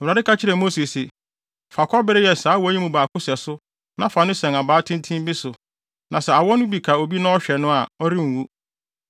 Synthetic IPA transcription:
wa˨dɪ˦kʰa˦t͡ɕʰɪ˦ɾɛ˨mo˦si˨sɪ˨ | fa˨kʰɔ˦bɪ˦ɾɪ˦jɛ˨saː˨˦wɔ˨˦æ˦ɲi˦mũ˨baː˨kʊ˦sɛ˨sʊ˦ | nã˨fa˨nʊ̃˦sɛ̃˨na˨baː˨˦tʰɪ̃˦n˦tʰĩ˦m˦bi˦sʊ˨ | nʔã˨sɛ˨a˨wɔ˦nʊ̃˦bi˨kʰa˨o˨bi˦nã˦ɔ˦ɕᶣɛ˨nʊ̃˦a˨ɔ˦ɾi˦ŋ̩˨wu˦

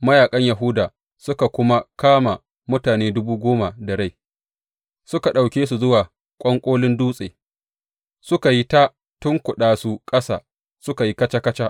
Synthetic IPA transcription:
mɐ˦jaː˨kʼɐ˦ɲja˨ɦʊ˦daː˨ | sʊ˦ka˨kʷʊ˦ma˦kaː˦ma˨ | mʊ˦taː˨neː˦dʊ˦buː˦ɡʷoː˦ma˨dɐ˨ɽa˦˨j | sʊ˦ka˨ɗa˨wkʲeː˦s̬u˨zʊ˦waː˨ | kʷʼɐ˦ŋkʷʼoː˦lɪ˦nduː˦sʼeː˨ | sʊ˦ka˨ji˦ta˦ | tʊ˦ŋkʷʊ˨ɗaː˨su˦kʼɐ˦sa̰ː˨ | sʊ˦ka˨ji˦kɐ˦t͡ʃa˦kɐ˦t͡ʃa˦ʔ

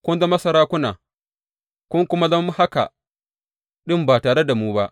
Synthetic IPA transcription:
kʷʊ˦nza˦mɐ˦sɐ˨ɾaː˦kʷʊ˦na̰ː˨ | kʷʊ˦ŋkʷʊ˦ma˦zɐ˦mːu˦ha˦ka̰˨ | ɗɪ˦mbaː˨taː˨ɽe˦da˨muː˦ba˦ʔ

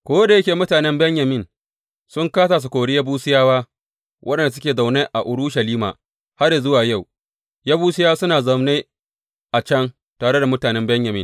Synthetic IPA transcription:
kʷoː˦da˨jɐ˦kʲeː˨mʊ˦taː˨nɛ˦mbɛ˦ɲjɐ˨mɪ˦˨n | sʊ˦ŋkaː˦saː˨s̬u˨kʷoː˨ɽi˦ja˦buː˦sɪ˦jaː˦waː˦ | wʔɐ˦ɗɛ˨n˨da˨s̬ʊ˦kʲeː˨za˨wneː˦ʔa˨ʔʊ˨ɽʊ˦ʃɐ˨liː˦ma̰ː˨ | ha˦ɾje˨zʊ˦waː˨ja˦˨w | ja˦buː˦sɪ˦jaː˦sʊ˦naː˨zɐ˨mneː˦ | ʔa˨t͡ʃɐ˦ŋ | taː˨ɽe˦da˨mʊ˦taː˨nɛ˦mbɛ˦ɲjɐ˨mɪ˦˨

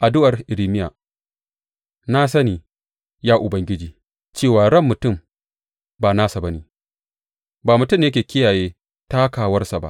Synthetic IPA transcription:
ʔa˨dʊ˦ʔɐ˨rʔɪ˨ɾiː˨mɪ˦ja̰ː˨ | naː˦sɐ˦niː˨ | jaː˦ʔʊ˨bɐ˦ŋɡʲɪ˦d͡ʒiː˨ | t͡ʃeː˦˨waː˨ɽɐ˦mːʊ˨tʊ˦˨m | baː˨naː˦sa˨bɐ˦niː˨ | baː˨mʊ˨tʊ˦mjɐ˦kʲeː˨kʲɪ˦jaː˨jeː˦ | ta˦kaː˨wɐ˦rsa˨ba̰˦ʔ

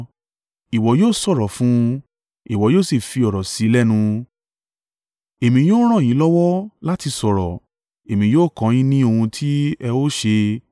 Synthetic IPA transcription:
i˨wɔ˨˦joː˦˨sɔ˦˨ɾɔ˨fũ˦˧ | i˨wɔ˨˦joː˦˨si˦˨fi˧ɔ˨ɾɔ˨si˨˦lɛ˦˨nũ˧ | e˨mĩ˧˦jo˦ɾ̃ã˦˨j̃ĩ˨˦lɔ˦wɔ˦la˦ti˧sɔ˨ɾɔ˨ | e˨mĩ˨˦joː˦˨kɔ̃˨˦j̃ĩ˦nĩ˦o˧hũ˧tʰi˦ɛ˧o˦ʃe˧

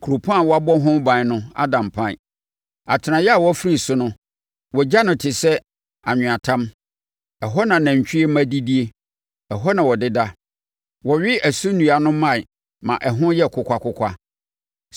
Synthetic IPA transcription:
kʰu˨ɾo˨pʰã˦˨wɔ˦a˦bɔ˦ɦʊ̃˦m˦bã˨nʊ̃˦a̰˦dã˨mpʰã̰˦˨ | a˨tʰɪ˨nã˨jɛ˦a˨wɔ˦fɾi˨sʊ˦nʊ̃˦ | wɔ˨d͡ʑa˦nʊ̃˨tʰɪ˨sɛ˦ | a˨ɲᶣʊ̃˨a˨tʰã˦m | ɛ˨ɦɔ˦nã˨nã˨ɲ˨t͡ɕᶣi˦e˦mã˦di˦di˦e˦ | ɛ˨ɦɔ˦nã˨wɔ˨dɪ˦da˦ | wɔ˨ɥɪ˦æ˨su˦nũ˨a˨nʊ̃˦mã˦˨ | mã̰˨ʔɛ˨ɦʊ̃˦jɛ˦˨kʰʊ˨kʷʰa˦kʊ˦kʷʰa˦

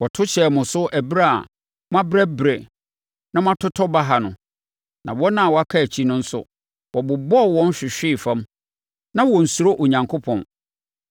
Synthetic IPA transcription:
wɔ˨tʰʊ˦t͡ɕʰɛ˨mʊ̃˨sʊ˦ʔæ˨bɾa˦a̰˨ | m˦ã˦bɾɛ˦bɾe˨ | nã˦m˦ã˦tʰʊ˦tʰɔ˦ba˦ɦa˨nʊ̃˨ | nã˨wɔ˦nã˦˨wɔ˨a˦kʰa˦æ˨t͡ɕʰi˦nʊ̃˦n̩˦sʊ̰˨ | wʔɔ˨bʊ˨bɔ˦˨wɔ̃˦n̩˦ɕᶣɪ˨ɕᶣɪ˦˨fã˦m | nã˦wɔ˨n̩˨su˨ɾo˦ʔo˨ɲã˨ŋkʰo˦pʰɔ̃˨n

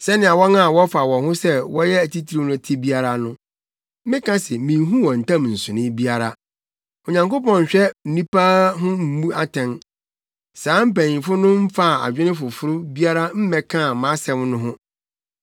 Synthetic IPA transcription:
sɛ˦nɪ̃˨a˨wɔ˦nã˦˨wɔ˦fa˨wɔ̃˨hʊ̃˦sɛ˦wɔ˦jɛ˦æ˨ti˦tʰi˦ɾi˦nʊ̃˦˨tʰɪ˦bi˦a˦ɾa˦nʊ̃˦ | mɪ̃˦kã˦sɛ˨mĩ˨ɦũ˦wɔ̃˨n̩˨tʰã˦mn̩˨sʊ̃˨nɪ̃˦bi˦a˦˨ɾa˨ | ɔ˨ɲã˨ŋko˦pɔ̃˨ɲ̩˨ɕᶣɛ˦n̩˨nũ˦pa˦ɦʊ̃˦m̩˦mũ˦a˦tʰɛ̃˨n | sãː˨˦m̩˦pæ̃˨ĩ˨fʊ˦nʊ̃˦m̩˦fa˦˨a̰˨d͡ʑᶣɪ˦nɪ̃˦fʊ˨fʊ˦ɾʊ˦bi˦a˦ɾa˦m̩˦mɛ̃˨kʰã˦˨mã˨˦sɛ̃˦mnʊ̃˦ɦʊ̃˦

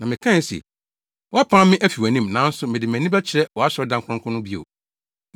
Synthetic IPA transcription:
nã˨mɪ̃˨kʰã˦n˦si˨ɛ̰˨ | wɔ˦a˦pʰã˦mmɪ̃˦ʔæ˦fi˨wæ˨nĩ˦mnã˨˦n̩˦sʊ˦mɪ̃˨dɪ˨mæ̃˨nĩ˦ba˦t͡ɕʰɪ˨ɾɛ˦wɔ˨a˦ɕɔ˦dã˦ŋkʰʊ̃˦ʊ̃˦kʰʊ̃˦nʊ̃˦bi˦o̰˨

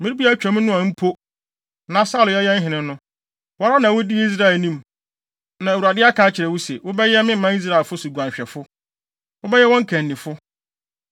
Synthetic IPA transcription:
mĩ˦ɾi˦bi˦a˦t͡ɕᶣa˨mɪ̃˦nʊ̃˦ã˨˦m̩˦pʰo˦ | nã˨sa˦˨ljɛ˦jɛ˦n̩˦ɦɪ̃˨nɪ̃˨˦nʊ̃˦ | wɔ˨˦ɾa˦nã˨wʊ˦di˦i˦s̬ɾa˦ɛ˨lnĩ˦m | nã˨wu˨a˨dɪ˦a˦kʰã˦t͡ɕʰɪ˨ɾɛ˨wʊ˦sɛ˨wʊ˦bɛ˦jɛ˦mɪ̃˦m̩˨˦mã˦i˦s̬ɾa˦˨lfʊ˦su˨ɡʷã˨ɕᶣɛ˨fʊ˦ | wʊ˦bɛ˦jɛ˦wɔ̃˦ŋ̩˦kʰæ̃˨nː˨ĩ˨fʊ˦

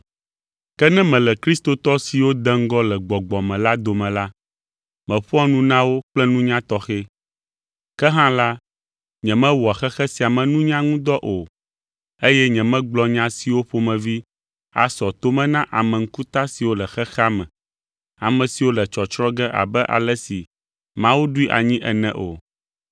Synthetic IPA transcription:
kɛ˦nɛ̃˦mɛ̃˨lɛ˨kɾi˦st̪o˨t̪ɔ˦si˨wo˦d̪ɛ˦ŋ̩˦ɡɔ˦lɛ˨ɡ͡bɔ˨ɡ͡bɔ˨mɛ̃˨la˦d̪o˨mɛ̃˨la˦ | mɛ̃˨ɸu˦ɔ˦nũ˦nã˦wo˦k͡plɛ˦nũ˦ɲã˦t̪ɔ˦xɛ˦ | kɛ˦ɦã˦la˦ | ɲɛ̃˨mɛ̃˦wɔ˨a˨xɛ˦xɛ˦si˨a˨mɛ̃˨nũ˦ɲã˦ŋũ˦d̪ɔ˦ʔo˨ | e˦jɛ˦ɲɛ̃˨mɛ̃˦ɡ͡blɔ˦ɲã˦si˨wo˦ɸo˦mɛ̃˨vi˦ | a̰˨sɔ˨t̪o˦mɛ̃˦nã˦ʔa˨mɛ̃˨ŋ̩˦ku˦t̪a˦si˨wo˦lɛ˨xɛ˦xa˦mɛ̃˨ | a˨mɛ̃˨si˨wo˦lɛ˨t͡ʃɔ˨t͡ʃɾɔ̃˦ɡɛ˦ʔa̰˨bɛ˦ʔa̰˨lɛ˦si˨ | mã˦wu˦ɖu˦i˦ʔa̰˨ɲĩ˦ʔɛ˨nɛ̃˨ʔo˨

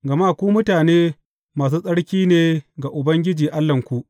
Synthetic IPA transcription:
ɡɐ˨ma˦˨kʷu˦mʊ˦taː˨neː˦ | maː˨s̬uː˦sʼɐ˦ɽkʲiː˦neː˦˨ɡa˨ʔʊ˨bɐ˦ŋɡʲɪ˦d͡ʒiː˨ʔa˦lːɐ˨ŋkʷu˦˨ʔ

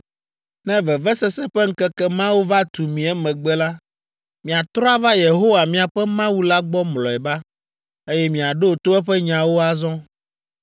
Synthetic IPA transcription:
nɛ̃˦vɛ˨vɛ˦sɛ˦sɛ˦ɸɛ˦ŋ̩˦kɛ˦kɛ˦mã˦wo˦va˦t̪u˨mĩ˨ɛ˦mɛ̃˨ɡ͡bɛ˦la˦ | mĩ˨a˨t̪ɾɔ˦a˦va˦je˨ɦo˦wa˨mĩ˨a˨ɸɛ˦mã˦wu˦la˦ɡ͡bɔ˦mlɔ˨ɛ˨ba˦ | e˦jɛ˦mĩ˨a˨ɖo˦o˨t̪o˦ɛ˦ɸɛ˦ɲã˨wo˦a˦zɔ̃˦

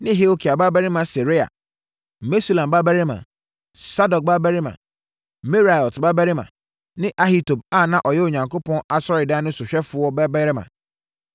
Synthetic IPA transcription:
nɪ̃˦ɦe˦o˦kʰi˨a˨ba˦bæ˦ɾɪ˦mã˨se˨ɾɪ˦a̰˨ | me˦su˦lã˨mba˦bæ˦ɾɪ˦mã̰˨ | sa˦dɔ˨k̚ba˦bæ˦ɾɪ˦mã̰˨ | me˦ɾa˨ɔ˨tba˦bɛ˦ɾɪ˦mã̰˨ | nɪ̃˦ʔa˦hi˦to˨b̚a˦˨nã˦ʔɔ˨jɛ˦o˨ɲã˨ŋko˦pʰɔ̃˦na˨sɔ˦ɾɪ˨dã˦nʊ̃˦sʊ˨ɕᶣɛ˦fʊ˨˦ɔ˦bɛ˦bɛ˦ɾɪ˦mã̰˨

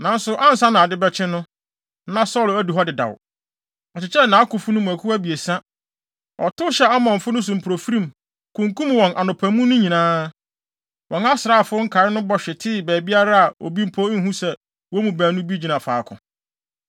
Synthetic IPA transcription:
nã˨n̩˦sʊ˨ʔã˦n̩˨sa˦nã˨dɪ˦bɛ˦t͡ɕʰɪ̃˦nʊ̃˦ | nã˦sɔ˦˨læ˦du˨ɦɔ˦dɪ˨da̰˨w | ɔ˨t͡ɕʰɪ˨t͡ɕʰɛ˦nã˨˦kʊ˨fʊ˦nʊ̃˦mũ˨æ˨kʰu˦æ˦bi˨e˨sã˦ | ɔ̰˨tʊ˦ɕɛ˦a˦mɔ̃˨nfʊ˦nʊ̃˦s̬ʊ˨m̩˨pʰɾo˨fɾĩ˨m | kʰũ˨ŋkũ˦mwɔ̃˨nʔa˨nʊ̃˨pʰæ̃˨mũ˦nʊ̃˦ɲĩ˨nãː˦ | wʔɔ̃˨na˦sɾa˦˨fʊ˦ŋ̩˦kʰa˨ɾɪ˦nʊ̃˦bɔ˦ɕᶣɪ˨tʰɪ˦˨bɛː˨bi˦a˦ɾa˦a˨o̰˨bi˦m̩˦pʰoː˦ŋ̩˦ɦũ˦sɛ˦ | wɔ˦mũ˨bæ̃ː˨nʊ̃˦bi˦d͡ʑĩ˨nã˨fa̰ː˨˦kʰʊ̰̃˨

